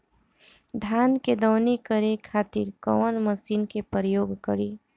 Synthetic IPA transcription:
d̪ʱaːnked̪ɔːnikəɾekʰaːt̪ḭɾkɔ̰wənməsiːnkepəɾəjoːɡkəɾiː

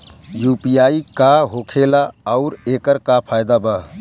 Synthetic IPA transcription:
juːpiaikaɦokʰelaəʊɾeːkəɾkapʰajd̪aba

